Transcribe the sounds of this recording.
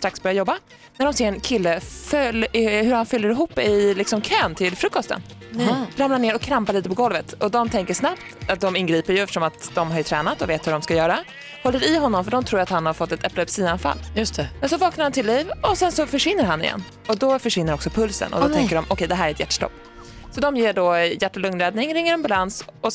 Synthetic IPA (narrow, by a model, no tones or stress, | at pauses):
st̪ɾaksbœɾjajɔbːa | næɖɔmseːɾɛnkʰɪlːəfœlɦɵɾhanfʏlːəɾɪɦuːpːɪlɪksɔmkʰøːnt̪ʰɪlfɾɵkːɔst̪ə̰n | ɾamlaɳneːɾɔkʰːɾampaɾɭiːt̪əpʰɔɡɔlvət̪ɔd̪ɔmt̪ʰɛŋkəʂnapt̪at̪̚d̪ɔmɪnɡɾiːpəɾjɵɛft̪əʂɔmat̪d̪ɔmɦaɾjɵt̪ʰɾɛːnat̪ɔveːt̪hɵɖɔmskajœːɾa | hɔlːəɾɪɦɔnːɔmfœɖɔmt̪ʰɾuːjɾat̪hanhaɾfɔt̪ːɛt̪ʰɛplɛpsiːanfa̰lːjst̪ɛmɛnsɔvɑːknaɾhant̪ɪlːivɔsɛnsɔfœʂvɪn̪ːəɾɦanːɪ̰jɛ̰nː | ɔd̪ɔfœʂvɪnːəɾɔksɔpʰɵlsə̰nʔɔ̰d̪ɔt̪ɛŋkːəɖɔmʔɔkʰɛjd̪ɛɦæːɾæɾɛt̪jæʈːʂʈɔ̰pː | sɔd̪ɔmjeːɖɔjæʈːɔlɵŋnɾɛːd̪nɪŋɾɪŋːəɾɛnbalansɔ